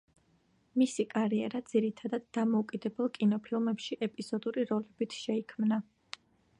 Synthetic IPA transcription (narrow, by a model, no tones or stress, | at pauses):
misikʼaɾiɛɾad̪z̥iɾit̪ʰad̪ad̪ːamɔukʼid̪ɛbɛlˠkʼinɔpʰilˠmɛpʃiʔɛpʼiz̥ɔd̪uɾiɾɔlɛbit̪ʰʃɛikʰmna